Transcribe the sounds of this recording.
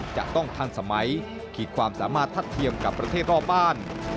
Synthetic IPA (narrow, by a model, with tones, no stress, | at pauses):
t͡ɕa̰˨˩ʔt̪ɔ˥˩ŋt̪ʰaː˧nsa˧ma˨˦˥j | kʰiː˨˩kʰwaː˧msaː˩˦maː˥˩t̪ʰːa˥˩t̪ʰːi˧əmka˨˩pːɾa˧eː˥˩t̪̚ɾɔː˥˩p̚baː˥˩n